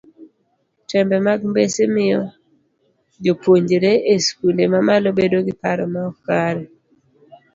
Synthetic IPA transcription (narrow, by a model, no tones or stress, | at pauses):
tʰɛmbɛmaɡmbesemɪjɔ | d͡ʒopwoɲɾeʔeskulemamalobedoɡɪpaɾɔmaɔkaɾɛ